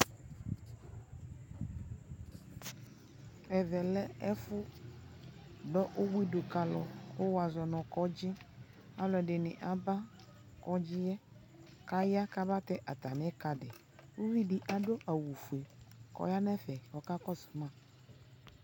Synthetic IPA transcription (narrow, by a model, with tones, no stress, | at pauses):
ɛ˨vɛ˨lɛ˦ɛ˦fʊ˦ | ɖɔ˦ʔo˦wi˦ɖo˨ka˨lɔ̰˨o˦wa˨zɔ˨nɔ̃˨kɔ˦d͡ʑɪ˦ | a˦lɔ˨ɛ˨ɖɪ˨nɪ̃˨ʔa˨ba˦ | kɔ˦d͡ʒɪ˦jɛ˦ | ka˦ja˦ka˦ba˦t̪ɛ˦ʔa˨t̪a˨n˦ɛ˦ka˨dɪ˨ | wu˦vi˦ɖɪ˨ʔa˨ɖo˦ʔa˨wu˨fu˨e˨kɔ̰˨ja˦nɛ̃˦fɛ˨wɔ˨ka˦kɔ˦sʊ̥˨mã˦˨